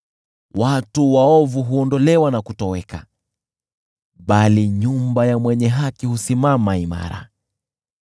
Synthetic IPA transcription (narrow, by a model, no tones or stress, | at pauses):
watuwaɔvuɦuɔndɔlɛwanakutɔwɛka | ɓaliɲumbajamwɛɲɛɦakihusimamaima̰ɾa̰